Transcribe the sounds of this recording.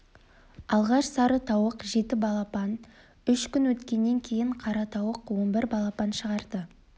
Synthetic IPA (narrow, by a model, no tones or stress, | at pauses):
ɑlˠʁɑʃsɑɾət̪ʰɑwəqʒe̞t̪ɪbɑlˠɑpɑn | ʏʃkʲʏnwɵt̪kʲe̞nːe̞ŋkʲʰe̞jɪɴqʰɑɾɑt̪ʰɑwəqwo̞nbɪɾbɑlˠɑpɑnʃəʁɑɾd̪̥ə